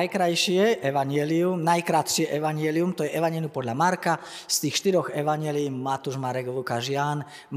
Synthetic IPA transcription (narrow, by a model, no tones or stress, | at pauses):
jkɾajʃɪɛʔɛʋaɲɪɛliumnajkɾat̪ʃɪɛʔɛʋaɲjɛliumt̪ɔjɛʔɛʋaɲɛliumpɔd̪ʎamaɾka | st̪iːxʃt̪iɾɔɣɛʋaɲɪɛliːmat̪uʒmaɾɛɡlukaʒɪan | m